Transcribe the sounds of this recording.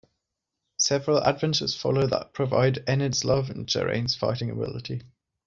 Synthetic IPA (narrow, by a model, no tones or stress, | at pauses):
sɛvəɹəla̰dvɛ̃nt͡ʃəz̥fɒ̰lˠəʊðə̰ʔ̚pʰɹ̥əva̰ɪdɛnədz̥lʌvə̃nd͡ʒɛ̰ɹḛ̃ɪ̃nz̥fa̰ɪtɪ̃ŋə̰bɪ̰lɪtʰi